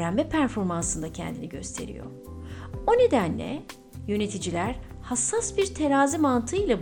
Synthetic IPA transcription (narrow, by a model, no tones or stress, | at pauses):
ɾæmːɛpʰæɾfo̞ɾmansɯnd̪acʰɛ̰nd̪iniɟø̞̰st̪ʰe̞̰ɾḭjo̞̰ɾ | o̞ne̞d̪ænlʲɛ̰ | jø̞ne̞t̪ʰid͡ʒilʲæɾ̥ | hasːasbiɾt̪ʰe̞ɾaːzimant̪ʰɯjlˠab